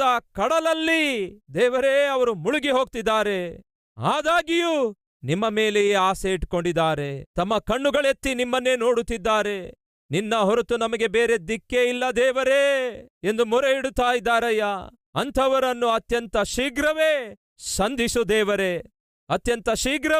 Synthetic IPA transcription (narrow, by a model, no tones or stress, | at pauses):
ɐkɐɽɐlɐlːid̪ɛːʋɐɾeɐʋɐɾumuɭuɡiɦo̞ːɡ̚t̪id̪ːaːɾe̞ | aːd̪aːɡiju | nimːɐmeːlejeaːseiʈko̞ɳɖid̪aːɾet̪ɐmːɐkɐɳːuɡɐɭe̞t̪ːinimːɐnːe̞ːnoːɽut̪ːid̪ːaːɾe̞ | ninːɐɦoɾut̪unɐmɐɡe̞beːɾe̞d̪ikːeilːɐd̪ɛːʋɐɾeːe̞nd̪umɔɾeiɽut̪ːaːjid̪ːaːɾɐjɐ | ɐnt̪ʰɐʋɐɾɐnːuɐt̪jɐnt̪ɐʃiːɡɾɐʋeː | ʃɐnd̪ʱisud̪ɛːʋɐɾe | ɐt̪jɐnt̪ɐʃiːɡɾɐ